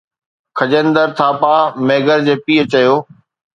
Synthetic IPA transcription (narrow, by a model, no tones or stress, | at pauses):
kʰɐd͡ʑə̃nd̪əɾt̪ʰaːpaːmeːɡəɾd͡ʑeːpiːət͡ɕɐjoː